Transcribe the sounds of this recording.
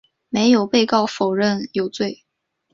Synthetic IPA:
me˧˥ɪjo˨˩ʊpe˥˧ɪkɑ˥˩ʊfo˨˩ʊɻə˥˩njo˨˩ʊt͡swe˥˩ɪ

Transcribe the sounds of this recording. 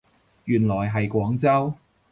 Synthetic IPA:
jyː˨˩nlɔː˨˩jɦɐ˨jkʷɔː˨˥ŋt͡sɐ˥w

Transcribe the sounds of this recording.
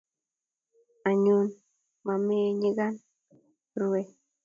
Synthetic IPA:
a˨ɲu˦n | ma˨me˦ɲi˦ɡa˦n | ɾuwe˦˨

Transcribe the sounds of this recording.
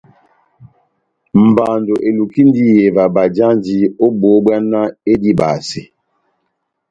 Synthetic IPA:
m̩˨ba˨ndo˨ʔe˨lu˨ki˦n˦di˦je˨va˨ba˨d͡ʒa˦nd͡ʒi˦o˦bo˨˦bwa˦nːa˦e˦di˦ba̰ː˨si˨

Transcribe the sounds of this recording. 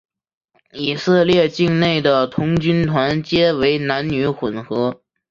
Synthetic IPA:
i˨˩sɤ˥˧ljɛ˥˧t͡ɕi˥˧ŋne˥˩ɪd̪ə˩t̪ʰʊ˧˥ŋt͡ɕy˥nt̪ʰwa˧˥nt͡ɕjɛ˥we˧˥ɪna˧˥nny˧˥xwə˨˩nxɤ˧˥

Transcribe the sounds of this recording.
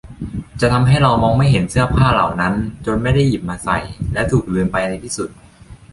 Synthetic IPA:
t͡ɕa˨˩ʔt̪ʰa˧mɦa˥˩jɾa˧wmɔː˧ŋma˥˩jɦe˩˦nsɯ˥˩ɐpʰaː˥˩la̰˨˩wna˦˥nt͡ɕo˧nma˥˩jda˥˩ji˨˩p̚maː˧sa̰˨˩jlɛ˦˥wt̪ʰuː˨˩k̚dweː˧npa˧jda˧jt̪ʰiː˥˩su˨˩t̪̚

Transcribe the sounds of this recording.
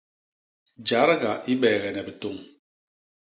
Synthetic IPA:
d͡ʒa˨˦ɾɡa˨ʔi˦ɓɛː˨ɣɛ˨nɛ˨bɛ˨to˨ŋ

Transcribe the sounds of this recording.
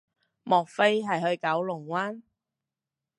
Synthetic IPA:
mɔː˨k̚fe˥jɦɐ˨jhɵ˧ɥkɐ˨˥wlʊ˨˩ŋwaː˥n

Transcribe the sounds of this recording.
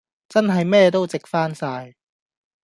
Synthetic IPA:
t͡sɐ˥nɦɐ˨jmɛː˥t̪o˥wt͡sɪ˨k̚faː˥nsaː˧j

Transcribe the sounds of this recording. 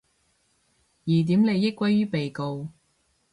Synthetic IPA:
jiː˨˩t̪̬iː˨˥mne˨˧jːɪ˥kʷːwɐ˥jɥyː˥pe˨jko˧w

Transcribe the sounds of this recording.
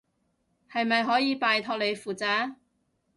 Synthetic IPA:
hɐ˨jmɐ˨jɦɔː˨˥jiː˨˧paː˨jt̪ʰɔː˧k̚le˨˧jfuː˨˩t͡saː˨˧˥

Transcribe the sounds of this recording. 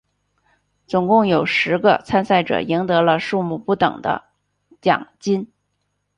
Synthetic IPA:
t͡sʊ˨˩ŋkʊ˥˩ŋjo˨˩ʊʂɻ̩˧˥ɡə̰˧t͡sʰa˥nsa˥˩ɪʈ͡ʂɤ̰˨˩i˧˥ŋt̪ɤ˧˥lə˧ʂu˥˧mu˥˩pu˥˩t̪ɤ̰˨˩ŋd̪ə̰˦ | t͡ɕjɑ̰˨˩ŋt͡ɕi˥n

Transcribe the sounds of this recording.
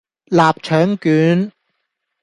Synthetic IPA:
laː˨p̚t͡ʃʰœː˨˥ŋkyː˨˥n

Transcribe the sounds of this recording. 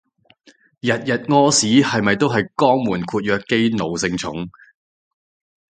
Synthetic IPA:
jɐ˨t̚jɐ˨t̚ŋɔː˥siː˨˥hɐ˨jmɐ˨jt̪o˥wɦɐ˨jkɔː˥ŋmuː˨˩nkʰuː˧t̚jœː˧kːe˥jno˨wsɪ˧ŋt͡sʰʊ̰˨˥ŋ

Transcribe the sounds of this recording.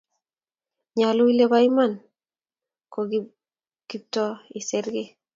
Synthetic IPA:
ɲalʊ˦i˦le˦ba˦ima˨n | ko˨ɡ | ɡ̥ip̚tɔ˦i˨seɾɡe˦

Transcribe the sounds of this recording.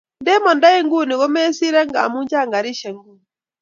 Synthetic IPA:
nde˦mɔ˨nda˦e˦ŋɡu˦˨ni˨ɣo˦me˦si˦ɾɛ˦ŋɡa̰˨mu˦ɲd͡ʒa˦˨ŋɡa˨ɾi˦ʃe˨ŋɡu˦˨n˨

